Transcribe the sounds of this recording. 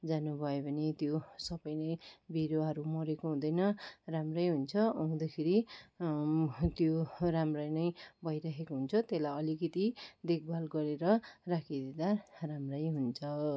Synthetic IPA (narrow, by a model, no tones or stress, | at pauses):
d͡zanubʱʌjobʱʌnit̪josʌbʌjnʌjbʱiɾoɦʌɾumʌɾekoɦũd̪ʌjnʌramrʌjɦunt͡sʰʌʌũd̪akʰeɾi | t̪joramrʌjnʌjbʱʌjɾaɦekoɦunt͡sʰʌt̪elajʌlikʌt̪id̪ek̚bʱalɡʌɾeɾʌrakʰid̪ed̪aramrʌjɦunt͡sʰʌ